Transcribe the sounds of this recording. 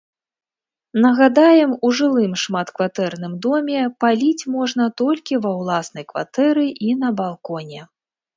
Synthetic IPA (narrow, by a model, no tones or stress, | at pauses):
nɐɣad̪ajɛmuʐɨlˠɨmʂmat̪kvat̪ɛrnɨmd̪ɔmʲɛpalʲit͡sʲmɔʐnɐt̪ɔlʲkʲivɐwlˠasnɐjkva̰t̪ɛɾɨʔinɐbalˠkɔnʲɛ